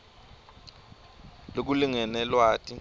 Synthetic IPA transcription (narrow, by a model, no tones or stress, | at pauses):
lok̬uliŋɛnɛlwaːtʼi